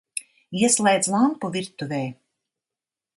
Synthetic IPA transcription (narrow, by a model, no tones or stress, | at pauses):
iɛslˠɛjd̪zlˠampuviɾt̪uvʲɛː